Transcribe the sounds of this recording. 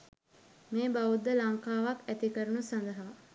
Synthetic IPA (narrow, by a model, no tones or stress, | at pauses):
meːbaʋud̪ːəlaŋkaːʋakæt̪ikəɾənusand̪əɦɐʋa